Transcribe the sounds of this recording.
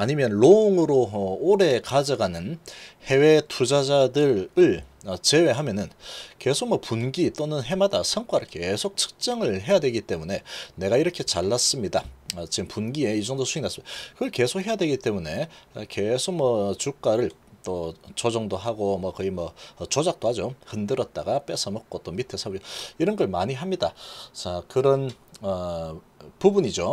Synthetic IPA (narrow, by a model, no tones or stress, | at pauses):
aɲimjʌnɭoŋɯɾooɾe̞kad͡ʑʌɡanɯnhe̞we̞tʰud͡ʑad͡ʑadɯɾɯɭʌt͡ɕe̞we̞ɦamjʌnɯnke̞sʰok̚mwʌpunɡit͈onɯnɦe̞madasʰʌŋk͈waɾɯɭke̞sʰok̚t͡ɕʰɯ̥k̚t͡ɕ͈ʌŋɯɭɦe̞jadwe̞ɡit͈e̞mune̞ne̞ɡaiɾʌkʰe̞t͡ɕaɭːas͈ɯmɲidat͡ɕiɯmpunɡie̞id͡ʑʌŋdosʰuiŋnasɯmidakɯɡʌɭke̞sʰokhe̞jadwe̞ɡit͈e̞mune̞ke̞sʰok̚mʌt͡ɕuk͈aɾɯɭ | t͈ot͡ɕod͡ʑʌŋdoɦaɡomwʌkɯɡimwʌːt͡ɕod͡ʑak̚t͈ohad͡ʑohɯndɯɾʌt̚t͈aɡap͈e̞sʰʌmʌk͈̚ot͈omitʰesʰaboiɾʌnɡʌɭmaɲiɦamɲidat͡ɕakɯɾʌnʌ | pubuɲid͡ʑo